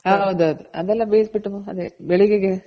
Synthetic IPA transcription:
ɦaːɦɐwd̪uɐd̪uɐd̪ɛlːɐbeːsbiʈːumuɐd̪ebɛɭiɡeɡe

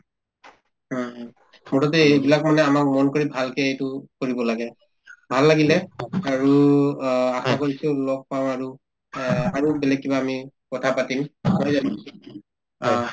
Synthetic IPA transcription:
ɔ̃ | mɔtɔt̬ɛjbilakmanɛamak̚mɔnkoɹibʱalkɛejtʊkoɹibɔlaɡɛ | bʱalːaɡilɛaɹu | asakoɹitʊlɔk̚paʊ̃aɹu | aɹubɛlɛk̚ːibaːmi | kɔtʰapatimmojzani

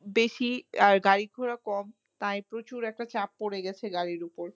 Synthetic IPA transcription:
beʃiaɾɡaɾiɡʱoɾakɔm | t̪ãjpɾot͡ɕuɾɛk̚ʈat͡ɕapːoɽeɡɛt͡ɕʰeɡaɾiɾupoɾ

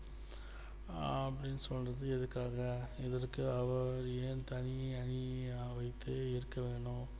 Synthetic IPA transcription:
ɐpːɐɽɪnːɯsɔlrɐðɯɛðɯkːaːɣɐɛðɐrkɯɐʋɐɾeːnt̪ɐɳɪɐniʋɐɪt̪ːɯɪɾɯkːɐʋeːɳʊ̃

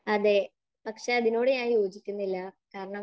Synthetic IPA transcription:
ɐðe | pɐkʂeɐðino̞ːɽejaːjo̞ːd͡ʑikʲːunːilːɐkaːɾɐɳɐ

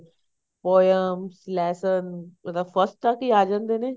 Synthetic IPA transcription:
poːjəmslɛːsənðəfəsʈːakiaːd͡ʒə̃nd̪ene

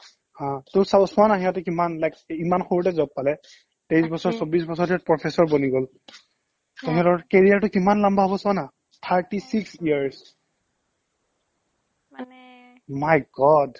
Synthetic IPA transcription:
hãtʊsasʊanaɦijatɛkimanlajkimanxoɹutɛzɔp̚pːalɛ | tes̬bɔsɔɹsobis̬bɔsɔɹtiat̚pɹɔpʰesɔɹboniɡol | tɛɦɛdɔɹkeɹijaɹtʊkimanlambaɦɔbɔsʊana | tʰaɹtisiksijaɹs | majɡɔd

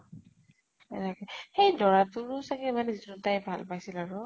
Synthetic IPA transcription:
ɛ̰nɛkɛxejdɔɹatʊɹsakɛmanɛzitutajbʱa̰lpajsilaɹʊ

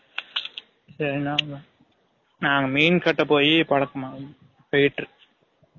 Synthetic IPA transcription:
sɐɾinaːŋɐ | naːŋɡɐmiːnkɐʈːɐpːoːjipɐɽɐkːɐmaː | pɐjʈːɯ

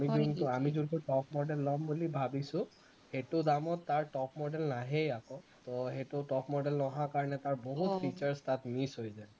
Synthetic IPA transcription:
amizuntʊamizunkuʈɔpʰmɔɖɛlːɔmbulibʱabisʊ̃ | hetʊdamɔtːaɹʈɔpmɔɖɛlnaɦejakɔtɔɦetʊʈɔpmɔɖɛlnɔɦakaɹɔnɛtaɹboɦut̪pʰit͡ʃaɹstat̪misɦojzaj

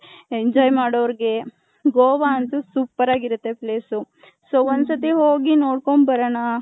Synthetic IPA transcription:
eɲd͡ʒɔːjmaːɽoʋɐɾɡe̞ | ɡoːʋaɐnt̪usupːɐɾaːɡiɾut̪ːe̞pleːsu | soːond̪sɐt̪iɦoːɡinoːɽkoɳbɐɾɐna

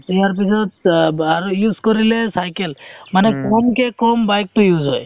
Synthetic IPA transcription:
tiaɾp̬isʰɔt̪aɾujuːzkɔɾilesajkelmanekɔmkekɔmbajk̚t̪ojuzɦɔj

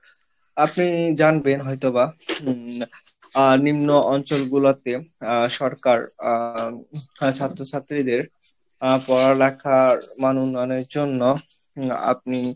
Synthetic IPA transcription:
apnid͡ʑanbenɦɔjt̪oba | nimnoʔɔnt͡ɕolɡulat̪eʃɔɾkaɾ | t͡ɕʰat̪ːɾot͡ɕʰat̪ːɾid̪eɾ | pɔɾalɛkʰaɾmanunːaneɾd͡ʑonːo | a̰p̚ni

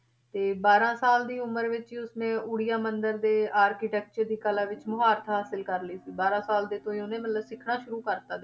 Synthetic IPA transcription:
t̪eːbaːɾãːsaːld̪iːʊməɾʋɪt͡ʃiʊsmẽːʔʊɽɪjaːmənd̪əɾd̪eːaːɾkiːʈɛːk̚t͡ʃəɾd̪iːkəlaːʋɪt͡ʃmʊɦaːɾt̪ʰɦaːsɪlkəɾləiːsiːbaːɾãːsaːld̪eːt̪õːiːʊnẽːmət̪ləbsɪkʰnaːʃʊɾuːkəɾt̪aːd̪

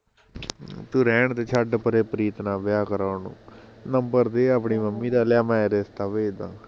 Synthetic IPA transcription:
t̪uɾɛːɳt̪eːt͡ʃʰaɖpəɾeːpəɾiːt̪nãːʋɪjaːkəɾaːnṵ̃ːnəmbəɾd̪eːaːpɳiːməmːiːd̪aːljaːmãːeːɾest̪aːʋeːd̪ã̰ː

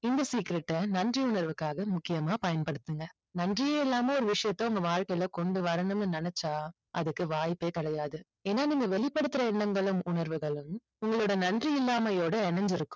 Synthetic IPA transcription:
ɪnd̪ɐsiːkɪɾɛʈːɐnɐndriʊɳɐɾʋɯkːaːɣɐmʊkːɪjɐmaːpɐjɐnpɐɽɯt̪ːɯŋɡɐ | nɐndrɪjeːɛlːaːmeːɔɾɯʋɪʂɐjɐt̪ːõʊŋɡɐʋaːɻkɐɪɪlɐkɔɳɖɯʋɐɾɐɳɯmnɯnɐnɛt͡ʃːaː | ʔɐðɯkːɯʋaːjɪpːeːkɐɽɐjaːðɯ | eːnːaːniːŋɡɐʋɛɭɪpːɐɽɯt̪ːɪɾɐɛɳːɐŋɡɐɭɯmʊɳɐɾʋɯɣɐɭɯm | ʊŋɡɐɭoːɽɐnɐndriɪlːaːmɐjoːɽɐɛɳɐɲd͡ʒɪɾɯkːʊ̥̃m

